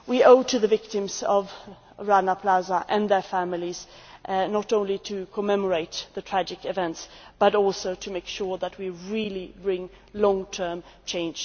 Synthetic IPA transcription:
wioʊtʰɨðɨvɪk̚tɨ̃mzʌv | ɹanəpʰlazəʔɨ̃nðə˞fæmɪlˠiz̥ʔnəɾõʊ̃nlitʰɨkʰəmɛmə˞eɪt̪̚ðɨtʰɹ̥æd͡ʒɨkɨvɛ̃ntsb̥ʌɾɔlˠsoʊɾʰɨmeɪkʃʊɹðət̚wiɹilibɹɪ̃ŋ | lɔ̃ŋtʰɜ̃˞mt͡ʃʰẽɪ̃nd͡ʒ

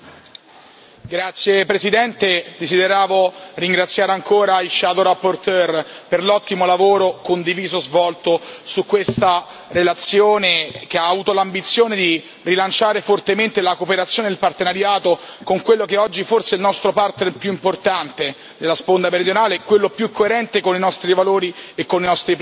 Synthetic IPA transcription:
ɡɾat̪sːjepɾesid̪ɛnt̪ed̪ezid̪eɾaːvoriŋɡɾat̪sːjaːɾeaŋkoːɾailʃaːd̪oɾapːort̪ɛrperlɔt̪ːimolavoːɾokond̪iviːzozvɔlt̪osukːwest̪a | ɾelat̪sːjoːnek̟eaːvuːt̪olambit̪sːjoːned̪i | rilant͡ʃaːɾefort̪ement̪elakopeɾat̪sːjoːned̪elpart̪enaɾjaːt̪okoŋkwelːokeɔd͡ʒːiforseilnɔst̪ɾopart̪nerpjuimport̪ant̪e | d̪elːaspond̪ameɾid̪jonaːlekwelːopjukːoeɾɛnt̪ekoninɔst̪ɾivaloːɾiekːoninɔst̪ɾip

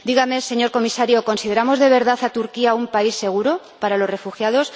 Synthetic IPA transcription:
d̪iɣame̞se̞ɲo̞ɾko̞misaɾjo̞ko̞nsiðe̞ɾamo̞zðe̞βe̞ɾðaθat̪uɾkiaumpaisːe̞ɣ̞uɾo | paɾalo̞zre̞fuxjað̞o̞s

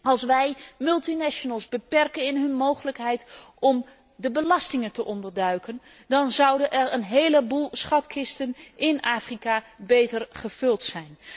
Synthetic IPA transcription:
ɑlˠsʋɛjmɵlˠtinaʃonəlˠzbəpɛrkənɪnɦɵnmowχələkɦɛjtʔɔm | dəbəlɑstɪŋəntəʔɔndəɹdœɥkən | dɑnzʌwdənʔɛɹənɦejləbulˠsχɑtkʰɪstənʔɪnaːfrikabejtərχəv̥ɵlˠtsɛjn

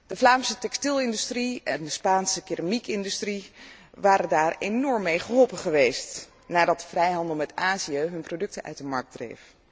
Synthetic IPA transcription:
d̥əvlaːmsətɛkstɪlˠɪndystriʔɛndəspaːnsəkɪramikɪndystri | ʋaːɾəndaːɹenɔɹmːejχəɦɔlˠpəχəʋejst | naːdɑt̚əv̥rɛjɦɑndəlˠmɛtaːziəɦɵnprodɵk̚təʔœ̰ɥtdəmɑɹk̚d̥rḛjf

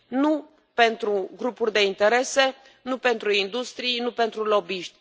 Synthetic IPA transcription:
nu | pe̞nt̪ɾuɡɾupurʲd̪e̞int̪e̞ɾe̞se̞ | nupe̞nt̪ɾuind̪ust̪ɾijnupe̞nt̪ɾulo̞biʃt̪ʲ

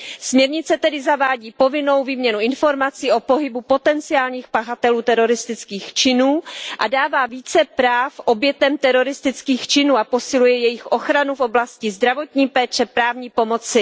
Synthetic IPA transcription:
smɲɛɾɲɪt͡sɛt̪ɛdɪzavaːɟiːpo̞vɪno̞wviːmɲɛnuɪnfo̞ɾmat͡siːʔo̞po̞ɦɪbupo̞t̪ɛnt͡sɪaːlɲiːxpaxat̪ɛluːt̪ɛɾo̞ɾɪst̪ɪt͡skiːxt͡ʃɪnuːʔadaːvaːviːt͡sɛpɾaːfʔo̞bjɛt̪ɛmt̪ɛɾo̞ɾɪst̪ɪt͡skiːxt͡ʃɪnuːapo̞sɪlujɛjɛjɪxʔo̞xɾanufʔo̞blascɪzd̪ɾavo̞t̪ɲiːpɛːt͡ʃɛpɾaːvɲiːpo̞mot͡sɪ

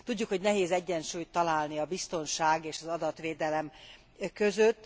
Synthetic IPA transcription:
t̪uɟːukho̞ɟnɛɦeːzɛɟːɛnʃuːjt̪ːɒlaːlniɒbist̪o̞nʃaːɡeːʃɒzɒd̪ɒt̪ʋeːd̪ɛlɛm | kø̞zøt̪ː

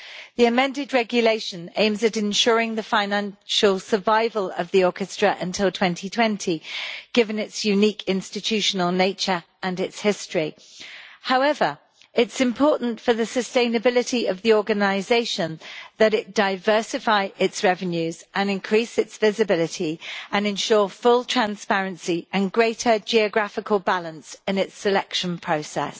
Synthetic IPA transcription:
ðiəmɛ̃ndɪd̚ɹɛɡjəleɪʃə̃nẽɪ̃mzəɾɪ̃nʃɔːɹɪ̃ŋðəfãɪnãnʃəlˠsəvaɪvələvðiɔˑkɨstɹ̥əʔə̃ntʰɪlˠtʰw̥ɛ̃ntʰitʰw̥ɛ̃ntʰiɡ̥ɪvə̃nɪtsjʉniˑkʰɪ̃nstɪtʰʉˑʃənəlˠneɪt͡ʃə˞ʔə̃nɪtshɪstɹ̥i | haʊɛvə˞ | ɪtsɪ̃mpʰɔˑʔn̩tfəðəsəstẽɪ̃nəbɪlɪtiəvðiɔːɡənaɪzeɪʃə̃nðəɾɪt̚d̥aɪvɜˑsɪfaɪʔɪtsɹɛvə̃njʉzʔə̃nɪ̃nkʰɹ̥isɪtsv̥ɪzɨbɪlɪtʰiə̃nɨ̃nʃɔːfʊlˠtʰɹ̥ãnspɛɹə̃nsiʔə̃nɡɹeɪtʰəd͡ʒiəɡɹafɪkʰəlˠbalə̃nsɪ̃nɪtsɪlɛkʃə̃npʰɹ̥əʊsɛ̰s

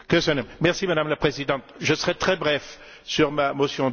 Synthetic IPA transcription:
kəsənɛmɛʁsimad̪amlapχezid̪ɑ̃t̪ʒəsəʁɛt̪χɛbʁɛf | syʁmamosjɔ̃

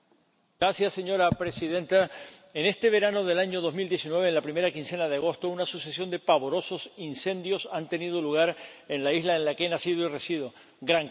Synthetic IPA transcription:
ɡɾasjasːe̞ɲo̞ɾapɾe̞siðe̞nt̪aene̞st̪e̞βe̞ɾano̞ðe̞laɲo̞ðo̞zmild̪je̞sinwe̞βeːnlapɾime̞ɾakinse̞naðeaɣ̞o̞st̪o̞unasusesjo̞nd̪e̞paβo̞ɾo̞so̞sinsẽ̞nd̪jo̞sant̪e̞niðo̞luɣ̞aɾe̞nlaizlaenlake̞nasiðoire̞siðo̞ | ɡɾaŋ

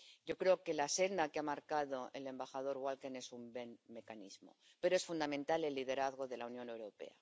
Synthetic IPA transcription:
ɟ͡ʝo̞kɾe̞oke̞lase̞nd̪akeamaɾkaðo̞ele̞mbaxaðo̞ɾɣwalkene̞sumbe̞nme̞kanḭzmo̞̰ | pe̞ɾoesfund̪amẽ̞nt̪ale̞lːið̞e̞ɾaθɣ̞o̞ðe̞launjo̞ne̞wɾo̞pe̞̰a̰

